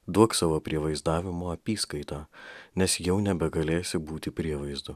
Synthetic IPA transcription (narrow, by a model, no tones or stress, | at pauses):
d̪uɔksɑːʋoːpʲɾʲiɛʋɐɪzd̪ɑːʋʲɪmoːɐpʲiːskɐɪt̪ɑːnʲɛsjɛʊnʲɛbʲɛɡɐlʲeːsʲɪbuːt̪ʲɪpʲɾʲiɛʋɐɪzd̪ʊ